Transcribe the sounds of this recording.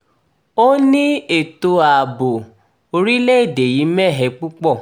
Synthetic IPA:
o˦nĩ˦e˦˨to˧a˨bo˨ | o˧ɾi˦le˦e˦˨de˨ji˨˦mɛ˦˨ɦɛ˧˦k͡pu˦k͡pɔ˦˨

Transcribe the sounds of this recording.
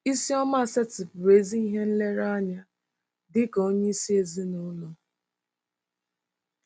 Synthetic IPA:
i˦si˦ɔ˦ma˦˨se˦tɪ˨pɾe˨˦zi˦i˦ɦe˦n̩˦le˦ɾa˦ɲa˦ | dɪ˦ko˦ɲe˦i˦si˦e˦zi˦nʊ˦lo˨

